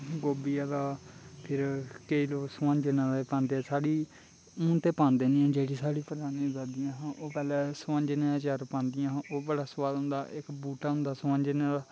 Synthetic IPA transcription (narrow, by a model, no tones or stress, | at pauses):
ɡoːbijaːd̪aːpʰɪɾkəiːloːksəʋãːɲd͡ʒənãːd̪epãːnd̪eːɛsaːɽiː | mũːnt̪eːpãːnd̪eːnĩãːd͡ʒeːɽiːsaːɽiːpəd̪aːnĩːzaːd̪ijãːɦãːʔoːpɛːlɛːsəʋãːɲd͡ʒenẽːd̪aːt͡ʃəɾpãːnd̪ɪjãːʔoːbəɽaːsəʋaːlɦʊ̃nd̪aːʔɪkbuːʈaːɦʊ̃nd̪aːsəʋãːɲd͡ʒeneːd̪aː